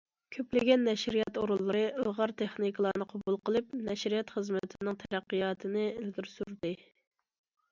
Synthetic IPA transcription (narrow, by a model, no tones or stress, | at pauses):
kʲʰøplɪɡʲɛnːɛʃɾijɑt̪oɾulˠːɨɾɨʔəlˠʁɑɾt̪ʰeχnikʰlˠɑːnɨqʰɑbulˠqəlˠɨp̚nɛʃɾijɑt̪χəzmɪt̪ʰɪnɪŋt̪ʰɛɾæqːijɑːt̪ʰɨnɨɪlɡʲiɾsuɾd̪ɨ